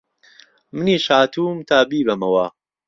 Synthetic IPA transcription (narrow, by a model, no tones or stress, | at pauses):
mɨniːʃaːt̪ʰuːmt̪ʰaːbiːbɐmɐwaː